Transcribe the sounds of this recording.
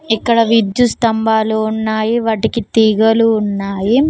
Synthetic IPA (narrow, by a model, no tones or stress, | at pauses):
ikːɐɽɐʋid̪just̪ɐmbʱaːluːnːaːjiʋɐʈikit̪iːɡɐluːnːaːji